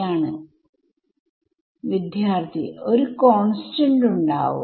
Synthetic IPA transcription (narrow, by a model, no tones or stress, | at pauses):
aːɳɨ | ʋid̪ʱjaːrt̪ʰḭoɾukoːɳsʈɐɳɖuɳɖa̰ːʋṵ